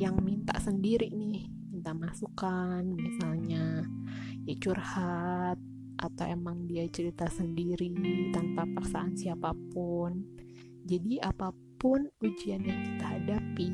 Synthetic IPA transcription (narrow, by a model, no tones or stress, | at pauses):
jaŋmint̪a̰ʔsəndiɾinɪh | mint̪aʔmasukanmisalɲa | jat͡ʃurhat̪̚ | ʔat̪awemaŋdiat͡ʃəɾit̪asəndiɾit̪anpaparsaːnsiapapʊn | d͡ʒadiʔapapʊnud͡ʒianjaŋkit̪aɦadapi